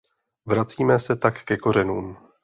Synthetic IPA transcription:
vɾat͡siːmɛsɛt̪akːɛko̞ɾ̝ɛnuːm

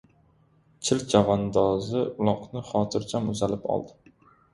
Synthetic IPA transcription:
t͡ʃʰɪlt͡ʃʰavɒnd̪ɒzɪʊlˠɒqnɪχɒːt̪ʰɪɾt͡ʃʰamʊzalɪpɒ̰lˠd̪ɪ

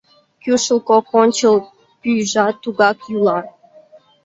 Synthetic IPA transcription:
kʲjuʃəlˠkokonʲt͡ɕilˠ | pyjʒɑt̪uɣɑkjulɑ

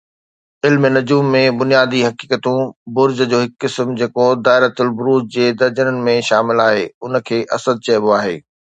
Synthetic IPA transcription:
ɪlmnɐd͡ʑuːmːẽbʊnijaːd̪iɦɐkiːkət̪ũbʊɾd͡ʑəd͡ʑoːɦɪkːɪsmd͡ʑeːkod̪aːɪɾət̪ʊlbʊɾuːd͡ʑd͡ʑeːd̪ɐɾd͡ʑənənɪ̆mẽʃaːmɪlaːɦḛːʊnə̆kʰeːʔɐsəd̪̚t͡ɕɐjboaːɦeː

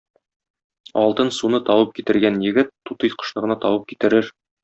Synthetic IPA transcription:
ɒlˠt̪ɤnsunɤt̪ɒwɤp̚kit̪ɘ̆ɾɡænjɘ̆ɡɘt̪ːut̪ɤjqɤ̥̆ʃlˠɤ̆ʁɤ̆nɑt̪ɒwɤp̚ki̥t̪ɘ̆ɾɘɾ

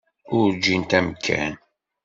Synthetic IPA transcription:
ʊɾd͡ʒint̪æmkʰːæ̰n

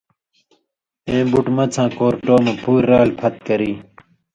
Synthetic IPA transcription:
ẽːbuʈmɐt͡sʰãːkoːɾʈoːmẽpuːɾːaːlpʰɐt̪̚kɐɾiː

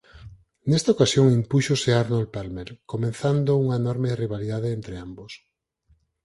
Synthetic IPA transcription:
nest̪aokasjoŋimpuʃoseaɾnolpalmelkomẽnθand̪ouŋɐenɔɾmeriβ̞aliðaðeent̪ɾeambos

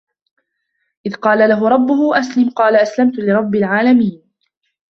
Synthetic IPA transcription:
ʔɪðqɑːlalaɦʊɾˤɑbːʊhwʔaslamqɑːlaʔaslamt̪ʊlɪɾˤɑbːɪlʕaːlamiːn

